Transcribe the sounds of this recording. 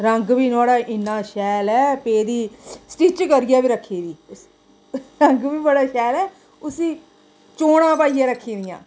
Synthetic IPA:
ɾəŋɡʋiːnaːɽaːʔɪnːãːʃɛːlɛːpeːd̪iːsʈit͡ʃkəɾɪjaːbiːɾəkʰːiːd̪iː | ɾəŋɡʋiːbəɽaːʃɛːlɛː | ʊsĩː | t͡ʃoːɽ̃ãːpaːijãːɾəkʰːiːd̪ɪjã̰ː

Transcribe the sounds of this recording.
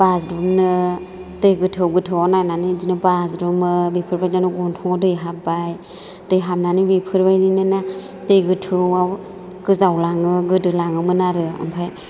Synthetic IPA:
b̥asdumnɯ | tɯjɡɯtʰɯɡɯtʰɯwanananidinɯbasdumɯbipʰɯɾbajnanɯɡɔntʰɔŋɔdɯjɦapbaj | d̥ɯjɦap̚nanibipʰɯɾbajdinɯna | tɯjɡɯtʰɯwaw | ɡ̥ɯzawlaŋɯɡɯdɯlaŋɯmɯnaɾɯa̰mpʰaj

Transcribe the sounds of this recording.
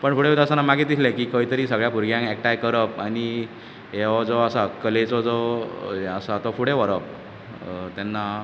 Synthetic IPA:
pəɳfuɽet̪asanːamaɡit̪islẽkiːkəit̪əɾiːsəɡɭjapuɾɡjãŋɛk̚ʈajkəɾəpani | ɦeʋad͡zɔasakəlet͡sɔd͡zɔ | əsat̪ɔfuɽeʋəɾəp̚ | t̪ɛnːa

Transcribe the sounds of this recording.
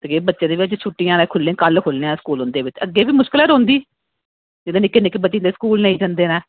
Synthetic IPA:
t̪eɡeːbətːʃeːd̪eːʋɪt͡ʃt͡ʃʰʊʈːijãːnẽːkʰʊlːẽːkəlkʰʊlnẽːãːskuːlʊ̃nd̪eːʋɪt͡ʃəɡːeːbiːmʊʃkɪləːɾõːnd̪iː | d͡ʒɪd̪ẽːnɪkːeːnɪkːebətːind̪eːskuːlnəĩːd͡ʒənd̪eːnɛː

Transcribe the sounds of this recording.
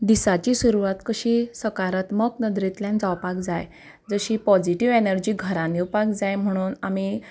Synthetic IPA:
d̪isat͡ɕisuɾuʋat̪kəɕiːsəkaɾat̪məknəd̪ɾit̪ljãnd͡zawpakd͡zaj | d͡zəɕiːpɔd͡ziʈiʋenəɾd͡ʑiːɡʱəɾaniwpakd͡zajm̤əɽ̃uːnami

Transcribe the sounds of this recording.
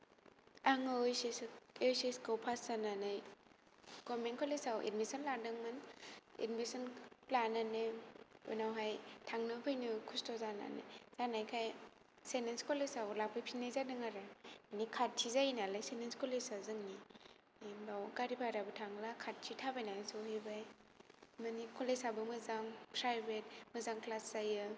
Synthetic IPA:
aŋɯɯjsesjseskawpʰaszananaj | ɡ̥ɔmenkʰɔlesawʔḛd̚misɔnladɯŋmɯnḛdmisɔnplananeɯ̰nawɦajtʰaŋnɯpʰɯjnɯkʰustɔzana̰nḛz̥anajkʰaj | senenskɔlesawlak̚pʰɯjpʰinːajzadɯŋaɾaanikʰat̚tʰizajinalajsenenskolesazɯŋni | embawɡaɾipʰaɾabɯtʰaŋlakʰat̚tʰitʰabajnasɔwɦebaj | mɯnikʰolesabɯmɯzaŋpʰɾajbet̚mɯzaŋklaszajɯ

